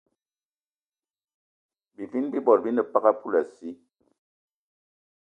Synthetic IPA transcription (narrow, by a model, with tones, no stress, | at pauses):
bi˨vi˦nbi˦bɔ˨ɾbi˦nə˨pa˦ɣa˦pu˦la˨si˦